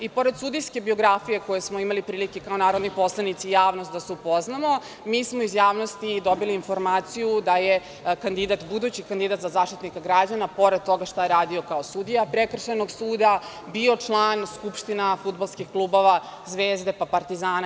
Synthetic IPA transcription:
ipo̞ɾed̪sud̪ijske̞bio̞ɡɾafije̞ko̞jesmoimalipɾiːlikekao̞naːɾo̞d̪nipo̞slˠanit̪sijaːʋnost̪d̪aseupo̞znamo̞ | miːsmo̞izjaːʋno̞st̪id̪o̞biliːnfo̞ɾmaːt̪sijud̪aje | kand̪id̪at̪bud̪ut͡ɕikand̪id̪at̪zazaːʃt̪it̪nikaɡɾad͡ʑanapo̞ɾed̪̚t̪o̞ɡaʃt̪ajeɾaːd̪io̞kaosud̪ijapɾekr̩ʃanoɡsuːd̪a | bio̞t͡ʂlˠaːnskupʂt̪inafutd̪̚balˠskixklˠuːbo̞ʋazʋeːzd̪e̞papaɾt̪izaːn

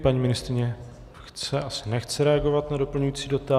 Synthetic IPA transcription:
paɲiːmɪnɪst̪ɾɪɲɛ | xt͡sɛʔasɪnɛxt͡sɛɾɛaɡo̞vat̪nado̞pl̩ɲujiːt͡siːdo̞t̪a

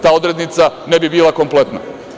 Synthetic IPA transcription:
t̪aːo̞d̪ɾed̪nit̪sane̞bibiːlˠako̞mple̞t̪na̰

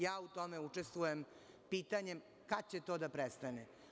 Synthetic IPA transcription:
jaːut̪o̞meut͡ʂest̪ʋujem | piːt̪aɲem | kad̪̚t͡ɕet̪od̪apɾest̪ane

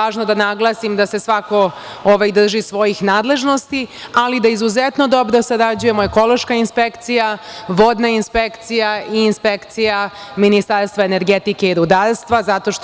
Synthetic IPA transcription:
aːʒnod̪anaɡlˠasimd̪ase̞sʋako̞ | oʋajd̪r̩ʒisʋo̞jixnaːd̪le̞ʒno̞st̪ialid̪aizuzet̪no̞d̪o̞bɾo̞saɾad͡ʑuje̞moeko̞lo̞ʃkainspekt̪sijaʋod̪nainspekt̪sijaʔiːnspekt̪sija | minist̪aɾst̪ʋaene̞ɾɡe̞t̪ike̞iɾud̪aːɾst̪ʋazat̪o̞ʃ

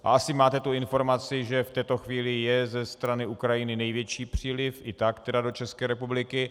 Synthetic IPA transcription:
ʔa̰ʔasɪmaːt̪ɛt̪uɪnfo̞ɾmat͡sɪʒɛft̪ɛːt̪o̞xviːlɪjɛzɛst̪ɾanɪukɾajɪnɪnɛjvjɛt͡ʃiːpr̝̥iːlɪfʔɪt̪akt̪ɛdado̞t͡ʃɛskɛːɾɛpublɪkɪ

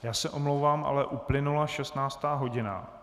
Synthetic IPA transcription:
jaːsɛʔomlowvaːmʔa̰lɛʔuplɪnulaʃɛst̪naːt͡st̪aːɦo̞ɟɪna̰

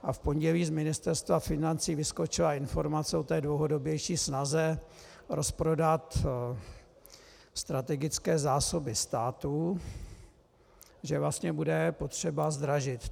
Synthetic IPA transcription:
ʔafpo̞ɲɟɛliːzmɪnɪst̪ɛɾst̪vafɪnant͡siːvɪsko̞t͡ʃɪlaɪnfo̞ɾmat͡sɛot̪ɛːdlowɦo̞do̞bjɛjʃiːsnazɛ | ɾʔo̞spɾo̞dat̪ | st̪ɾat̪ɛɡɪt͡skɛːzaːsobɪst̪aːt̪u | ʒɛvlast̪ɲɛbudɛpo̞t̪r̝̥ɛbazd̪ɾaʒɪt̪

